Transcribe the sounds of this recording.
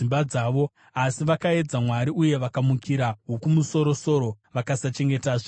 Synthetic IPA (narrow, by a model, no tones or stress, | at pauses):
imbad͡zaːʋo̞ | asiʋakae̞d͡zamwaɾiʔuje̞ʋakamukiɾaɦokumuso̞ɾo̞so̞ɾo̞ | ʋakasat͡ʃe̞ŋɡe̞taːʐe